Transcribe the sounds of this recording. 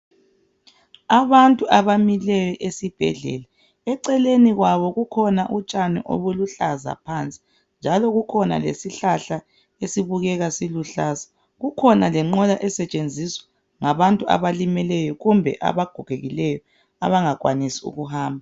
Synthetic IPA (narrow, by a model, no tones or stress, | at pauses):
aβantʼuʔaβamilɛjɔʔesib̥ʱɛ̰ɮɛ̰la | ɛǀɛleniɣwaβɔɣukʰɔnaʔut͡ʃʼanɛ̰ʔo̰βuluɬaza̰pʰant͡sʼi̥ | nd͡ʒʱalɔɣukʰɔna̰lḛsiɬaɬa | esiβuɣɛɣasiluɬaːzḁ | ɣukʰɔnalɛŋ͡ǃɔlaʔɛsɛt͡ʃʼend͡zʱiswḁ | ŋaβantʼua̰βalimɛlɛjɔɣumbʱɛ̰ʔa̰βaɡ̥ʱɔɣ̥ʱeɣilɛjɔ | a̰βaŋaɣwanisiṵɣuhaːmbʱa